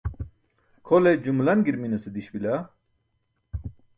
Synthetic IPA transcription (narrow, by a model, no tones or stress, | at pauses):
kʰoled͡ʑumlɐnɡiɾminɐsed̪iɕbilɐ